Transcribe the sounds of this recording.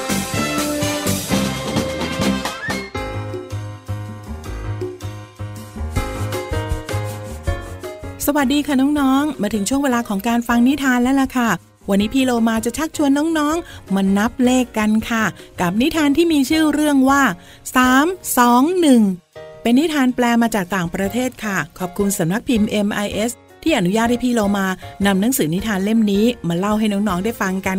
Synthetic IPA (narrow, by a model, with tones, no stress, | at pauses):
sa˧wa˨˩t̪̚diː˧kʰa˥˩nɔː˦˥ŋnɔː˦˥ŋmaː˧t̪ʰɯ˩˦ŋt͡ɕʰu˥˩əŋweː˧laː˧kʰɔː˩˦ŋkaː˧nfa˧ŋni˦˥t̪ʰaː˧nlɛː˦˥la˧˩kʰa˥˩ | wa˧nːiː˦˥pʰiː˧loː˧maː˧t͡ɕa˨˩t͡ɕʰa˦˥k̚t͡ɕʰu˧ənːɔː˦˥ŋnɔː˦˥ŋmaː˧na˦˥p̚leː˥˩kːa˧nkʰa˥˩ka˨˩p̚ni˦˥t̪ʰaː˧nt̪ʰiː˥˩miː˧t͡ɕʰɯː˥˩ɾɯ˥˩əŋwaː˥˩ | saː˩˦msɔː˨˩˦ŋnɯ˨˩ŋpe˧nːi˦˥t̪ʰaː˧nplɛː˧maː˧t͡ɕaː˨˩k̚t̪aː˨˩ŋpɾa˧t̪ʰeː˥˩t̪̚kʰa˥˩kʰɔː˨˩p̚kʰu˧nsa˩˦mna˦˥k̚pʰi˧mʔe˧mʔa˧jʔe˦˥s | t̪ʰːiː˥˩ʔa˨˧nu˦jaː˥˩t̪̚ha˥˩pʰiː˧loː˧maː˧na˧mna˦˥ŋsɯː˩˦ni˦˥t̪ʰaː˧nle˥˩mniː˦˥maː˧la˥˩wɦa˥˩jnɔː˦˥ŋnɔː˦˥ŋdaː˥˩jfa˧ŋka˧n